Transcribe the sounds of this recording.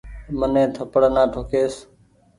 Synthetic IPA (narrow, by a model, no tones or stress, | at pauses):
mənẽːt̪ʰəpəɽnãːʈʰoːkʰeːs